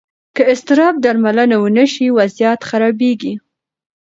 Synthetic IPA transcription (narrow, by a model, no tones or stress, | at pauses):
kəɪst̪ɪɾɑb̚d̪aɾmalənawənəʃiwazjat̪xaɾɑbeɡi